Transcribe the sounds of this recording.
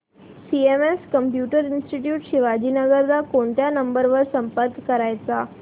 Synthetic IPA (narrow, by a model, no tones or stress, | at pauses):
siemeskəmpjuʈəɾɪnsʈiʈjuʈʃɪʋad͡ʑinəɡəɾd̪akoɳʈ̪janəmbəɾʋəɾsə̃mpəɾkkːəɾajt̪a